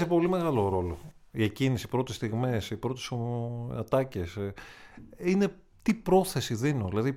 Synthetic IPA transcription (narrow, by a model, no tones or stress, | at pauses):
sepo̞lime̞ɣɐlo̞ɾo̞lo̞̰iecinisipɾo̞t̪ist̪iɣmesipɾo̞t̪i̥soɐt̪ɐce̞s | ine̞ | t̪ipɾo̞θe̞siðinoðilɐði